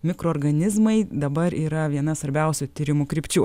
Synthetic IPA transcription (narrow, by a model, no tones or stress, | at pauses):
mʲɪkɾoːɾɡɐnʲɪzmɐɪd̪ɐbɐɾiːɾɐʋʲiɛnɐsʋɐɾʲbʲɛˑʊsʲʊt̪ʲiːɾʲɪmukɾʲɪpʲt͡ʃʲuː